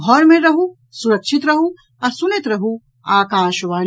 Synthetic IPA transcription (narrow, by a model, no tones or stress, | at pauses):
ɡʱɔɾmẽɾɐɦu | sʊɾɐkʃɪt̪ɾɐɦu | ɐsʊnɪt̪ɾɐɦu | aːkaːʃʋaːn